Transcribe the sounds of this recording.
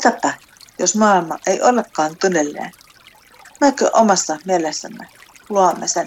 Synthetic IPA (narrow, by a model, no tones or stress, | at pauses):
t̪ɑpːæ | josmɑːilmɑʔeiʔolːekːɑːnt̪unelːḛːn | mekø̰ʔomɑsːɑmielesːæmːeluɑmːesen